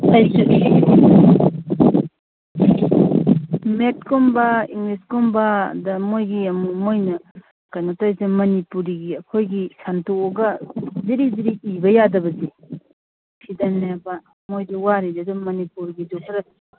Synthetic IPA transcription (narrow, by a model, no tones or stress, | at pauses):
tajsu | met̚kʰombɐiŋɡliskombɐdɐmojɡiɐmumojnɐ | kajnatajsemɐnipuɾiɡiɐkʰojɡisantoːɡɐziɾiziɾiibɐjadɐbɐzi | sʰidaneba | mojduwaɾidɐdumɐnipuɾɡidokʰɐɾɐ